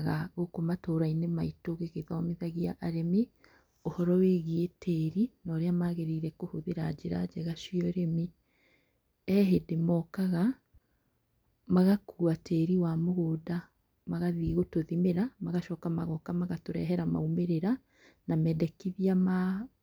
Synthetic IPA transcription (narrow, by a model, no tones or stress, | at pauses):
ɣaɣokomatoːɾainemaitoɣeɣeðaɔmeðaɣia̰ʔaɾemi | ohɔɾɔweɣietʰɛɾinɔɾeamaɣeɾiɾɛkohoðeɾad͡ʒeɾa̰d͡ʒɛɣaʃiɔɾemi | ɛɦedemɔːkaɣa | maɣakuatɛːɾiwamoɣoːda | maɣaðiɣotoðimeɾamaɣaʃɔːkamaɣɔkamaɣatoɾɛɦɛɾama̰umeɾeɾa | namɛdɛkiðiama